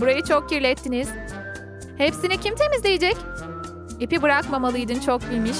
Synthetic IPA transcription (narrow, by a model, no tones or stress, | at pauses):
buɾajɯt͡ʃʰok̚ciɾlʲɛt̪ʰːiniz̥ | hepsinicʰimt̪ʰe̞mizlʲejed͡ʒɛc | ipibɯɾakmamalˠɯjd̪ɯnt͡ʃʰok̚bilʲmiʃ